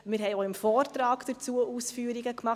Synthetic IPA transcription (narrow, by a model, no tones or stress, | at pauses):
mɪːɾɦɛɪoɪmfɔːrtɾɑːɡd̥əɾt͡suəʔuːsfyːəɾiɡəkmɑχ